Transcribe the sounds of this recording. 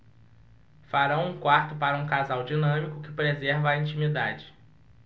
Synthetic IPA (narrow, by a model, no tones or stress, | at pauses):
faɾɐ̃w̃ũkwaɾt̪ʊpaɾɐũkazawd͡ʒinɐ̃mikʊkɪpɾezɛɾvɐːĩnt͡ʃĩmid̪ad͡ʒɪ